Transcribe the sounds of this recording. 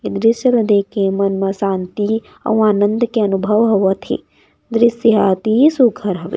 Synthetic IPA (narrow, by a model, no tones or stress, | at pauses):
id̪ɾiʃɐlɐd̪eːkemɐnmɐsaːnt̪i | ɐ̰w̃aːnɐnd̪ɐkeɐnubʱɐʋɦɐʋɐt̪ʰḛ | d̪ɾisiɦaːt̪isukʰɐɾɦɐʋḛ